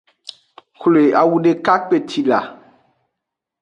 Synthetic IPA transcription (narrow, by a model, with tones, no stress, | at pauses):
kle˨a˨wu˦ɖe˨ka˦k͡pe˨tʰi˨la˨